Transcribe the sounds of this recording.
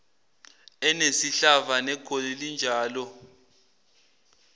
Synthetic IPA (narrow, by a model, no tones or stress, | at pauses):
ɛnesiɬavanɛɡ̥ʰʱʼolilind͡ʒʱaːlɔ